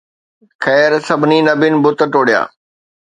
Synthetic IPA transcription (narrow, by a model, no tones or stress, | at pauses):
xɛːɾsɐbʱɪninɐbɪnɪbʊt̪ʈoːɽija̰ː